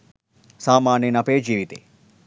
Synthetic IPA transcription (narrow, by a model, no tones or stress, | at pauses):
saːmaːnenapeːd͡ʒiʋit̪ḛ